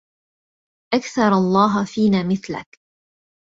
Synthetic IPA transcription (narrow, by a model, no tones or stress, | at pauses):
ʔakθɑɾˤɑlˤːɑːɦfiːnaːmɪθla̰k